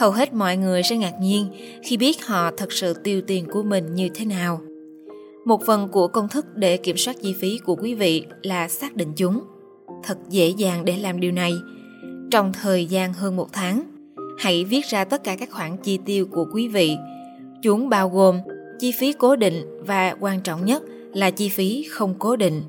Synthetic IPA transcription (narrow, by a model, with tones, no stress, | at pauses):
hə˨˩wɦe˦˥t̚mɔ̰˧˨jŋɨ˨˩əjsɛ̰˧˥ŋaː˨˩k̚ɲi˧ənxi˧ɓi˦˥ət̚hɔ̰˧˨t̪ʰə˨˩k̚sɨ̰˧˨t̪i˧əwt̪i˨˩ənku˧˩əmï˨˩ŋ̟ɲɨ˧t̪ʰe˨˦naː˨˩w | mo˨˩t̚fə˨˩nku˧˩əkə˧wŋ͡mt̪ʰɨ˦˥k̚ɗe˧˩ki˧˩əmswaː˦˥t̚t͡ɕi˧fi˨˦ku˧˩əkwi˨˦vḭ˧˨laː˨˩saː˦˥k̚ɗḭ̈˧˨ŋ̟t͡ɕʊ˨˦ŋ͡m | t̪ʰə˨˩t̚zḛ˧˥zaː˨˩ŋɗe˧˩laː˨˩mɗi˨˩wna˨˩j | t͡ɕɔ˧wŋ͡mt̪ʰəː˨˩jzaː˧nɦəː˧nmo˨˩t̚t̪ʰaː˨˦ŋ | ha̰˧˥jvi˦˥ət̚zaː˧t̪ə˦˥t̚kaː˧˩kaː˦˥k̚xwaː˧˩ŋt͡ɕi˧t̪i˧əwku˧˩əkwi˨˦vḭ˧˨ | t͡ɕʊ˨˦ŋ͡mɓaː˧wɣo˨˩m | t͡ɕi˧fi˨˦ko˨˦ɗḭ̈˧˨ŋ̟vaː˨˩kwaː˧nt͡ɕɔ̰˧˨wŋ͡mɲə˦˥t̚ | laː˨˩t͡ɕi˧fi˨˦xə˧wŋ͡mko˨˦ɗḭ˧˨ŋ̟